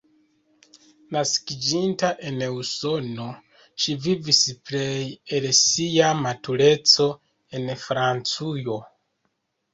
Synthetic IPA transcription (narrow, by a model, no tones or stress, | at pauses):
naskid͡ʒintaʔe̞nuso̞no̞ | ʃivivispɾejelsiamatuɾe̞t͡so̞ | e̞nfɾant͡sujo̞